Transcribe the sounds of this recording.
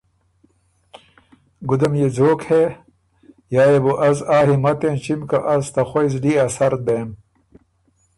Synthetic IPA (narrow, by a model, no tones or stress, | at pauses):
ɡud̪ɐmjed͡zoːkhe | jaːjebuʔɐzaːɦimɐt̪ent͡ɕimkɐʔɐzt̪ɐxojzɖiːɐsɐɾd̪eːm